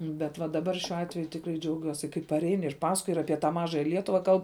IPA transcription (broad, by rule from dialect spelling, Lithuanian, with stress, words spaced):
bʲɛt ʋɐ dɐˈbɐr ʃʲuɔ ˈɑːtʲʋʲɛjʊ tʲɪkˈrɐɪ d͡ʒʲɛʊˈɡʲuɔsʲɪ kɐɪ pɐˈrʲɛɪn ɪr ˈpɑːsɐkoːj ɪr ˈɑːpʲiɛ tɑː ˈmɑːʒɐjɛ ˈlʲiɛtʊʋɐ ˈkɐlˠp